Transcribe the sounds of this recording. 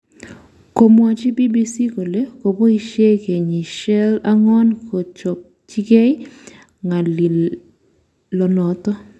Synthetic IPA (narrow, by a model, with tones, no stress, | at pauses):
ko˨mwa˨t͡ʃi˦bi˦bi˦si˦ko˨le˦ko˨po˦i˦ʃe˦ke˨ɲi˨ʃɛ˦la˦ŋɔ˦nkʰo˨t͡ʃɔ˨p̚ | t͡ʃi˦kɛ˦ | ŋa˨li˨l | lɔ˨nɔ˨tɔ˦